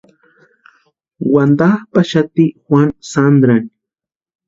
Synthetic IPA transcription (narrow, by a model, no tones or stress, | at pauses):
wand̪ahpaʃat̪ixwʷansand̪ɾani